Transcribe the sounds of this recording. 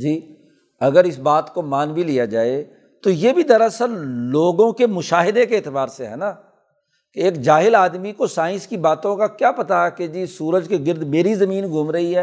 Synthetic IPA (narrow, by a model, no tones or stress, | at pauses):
d͡ʒiː | ɐɡəɾɪsbaːt̪komaːnbʱilijad͡ʒaːe | t̪ojebʱid̪ɐɾəsəɾloːɡõkemʊʃaːɦɪd̪ekeːt̪ɪbaːɾseɦɛ̰ːna | keeːkd͡ʒaːɦɪlaːd̪mikosaːɪ̃nskibaːt̪õkakjapɐt̪aɦɛked͡ʒiːsuːɾəd͡ʒkeɡɪɾd̪meːɾizɐmiːnɡʱʊmɾɐɦiɦɛː